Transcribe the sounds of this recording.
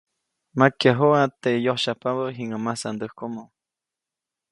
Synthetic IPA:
makjaɦoat̪ejohʃapaβəɦiŋamasand̪əhkomo

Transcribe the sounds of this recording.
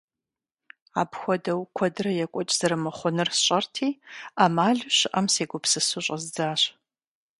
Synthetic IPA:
aːbxʷɔdɐwkʷʰɔdɨrɐjɛkʷʼɔt͡ʃʼz̥ɐɾɨmɐχʷʊnɨrsɕʼɐrtʰiːaːmaːɮɕɪʔɐmseːɡʷʊpsɨsʊɕʼɐzd͡zaːɕ

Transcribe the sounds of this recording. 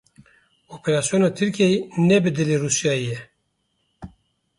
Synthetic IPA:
oːpʰɛɾaːsijonɑːt̪ʰɨɾkejinɛbɨd̪ɨleruːsjɑːijɛ

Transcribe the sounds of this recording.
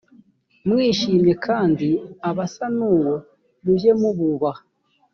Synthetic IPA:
mŋiːʃiːmɲe̞kʰaːndiaβasanuːwo | βuje̞muβuβa

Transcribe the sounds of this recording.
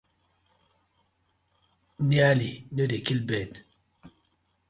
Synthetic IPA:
njalinodekilbɛd

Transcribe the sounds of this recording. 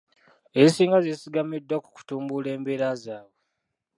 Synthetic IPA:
esiːŋɡazezisiɡamidːwaku̥ku̥tuːmbule̞ːmbeɾazaːwo

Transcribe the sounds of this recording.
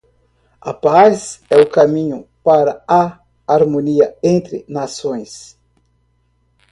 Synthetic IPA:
ɐ̰pazɛʊkamĩɲʊpaɾɐaː | ɾmoniɐẽnt̪ɾɪ̰nasõj̃s

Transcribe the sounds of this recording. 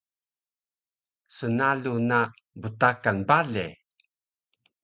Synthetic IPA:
sənaluna | bətakanbalḛ

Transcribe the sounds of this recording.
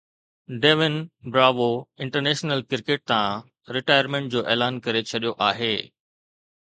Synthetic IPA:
ɖeːʋɪnbɾaːʋoɪ̃ɳʈəɾneːʃnəlkɪɾkeːʈ̚t̪ã | ɾɪʈaːɪəɾmẽːɳʈ̚d͡ʑoːʔeːlaːnkɐɾet͡ɕʰɐɗijoʔaːɦeː

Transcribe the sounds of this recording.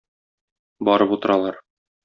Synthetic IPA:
bɒɾɤput̪ɤ̆ɾɑlˠɑɾ

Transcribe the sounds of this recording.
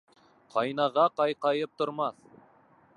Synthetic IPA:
qʰɑjnɑʁɑqɑjqɑjɤp̚t̪ŏɾmɑθ

